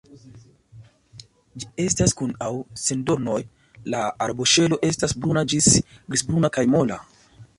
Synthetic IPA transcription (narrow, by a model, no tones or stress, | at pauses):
d͡ʒie̞staskunawsendo̞ɾno̞j | laaɾboʃe̞lo̞ʔe̞stasbɾunad͡ʒisɡɾisbɾunakajmo̞la